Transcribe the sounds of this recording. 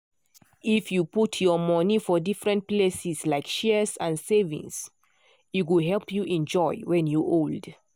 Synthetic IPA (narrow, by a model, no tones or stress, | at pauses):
ifjuputʰjɔmɔnifɔdifɹɛ̃nt̚plesislaɪkʃɛsãnsevḭ̃ŋs | iwuɦɛlpʰjuʔɛ̃nd͡ʒɔɪwɛ̃njuʔold